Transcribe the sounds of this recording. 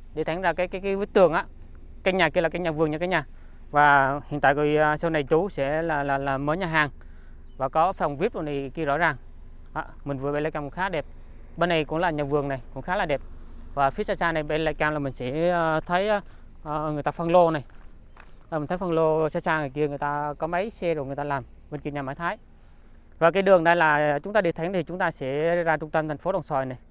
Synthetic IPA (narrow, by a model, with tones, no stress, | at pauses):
ɗe˧˩t̪ʰa˨˦ŋ̟zaː˧˩kaː˨˦jkaː˨˦jka˨˦jvi˨˦t̪ɨ˨˩əŋʔaː˧˦ | ka˧jŋɲaː˨˩ki˧əlaː˨˩ka˧˦jɲaː˨˩vɨ˨˩əŋɲɨ̰˧˩kaː˨˦ɲaː˨˩ | vaː˨˩hi˨nt̪a̰ː˧˨kɔ˧˩˨sə˧wna˨˩jt͡ɕu˨˦sɛ̰˧˥laː˨˩laː˨˩laː˨˩məː˨˦jɲaː˨˩ɦaː˨˩ŋ | vaː˨˩kɔ˨˦fa˨˩wŋ͡mvi˦˥əp̚zo˨˩nt̪i˨˩ki˧əzɔ̰˧˥zaː˨˩ŋ | ʔaː˧mï˨˩ŋ̟vɨ˨˩ɓe˧laː˧jkaː˧mkṵ˧˥ŋxaː˨˦˥ɗe˨˩p̚ | ɓe˧nɗə˧jkʊ̰˧˥ŋ͡mlaː˨˩ɲaː˨˩vɨ˨˩əŋna˨˩jkʊ̰˧˥ŋ͡mxaː˨˦laː˨˩ɗe˨˩p̚vaː˨˩fi˨˦əsaː˧˩saː˧na˨˩jɓe˧la̰˧˥jkaː˧mlaː˨˩mï˨˩ŋ̟sɛ̰˧˥˧t̪ʰə˨˦j | ŋɨ˨˩ət̪aː˧fɔ˧nlo˧na˨˩j | aː˨˩m̟˨˩t̪ʰjfə˧ŋlo˧saː˧saː˧ŋna˨˩ki˧əŋɨ˨˩əjt̪aː˧kɔ˨˦mə˨˦jsɛ˧zo˨˩jŋ˨˩əjt̪aː˧laː˨˩m | və˧nki˧˨˩ɲaː˨maː˨˦jt̪ʰaː˨˦j | vaː˨˩kaː˨˦jɗɨ˨˩əŋɗa˧jlaː˨˩t͡ɕʊ˨˦ŋ͡mt̪aː˧ɗi˨˩ət̪ʰa˨˦ŋt̪ʰi˨˩t͡ɕʊ˨˦ŋ͡mt̪aː˧sɛ̰˧˥zaː˧t͡ɕʊ˧ŋ͡mt̪ə˧mt̪ʰŋfo˨˦ɗə˨˩wŋ͡msɔ˨˩jna˨˩j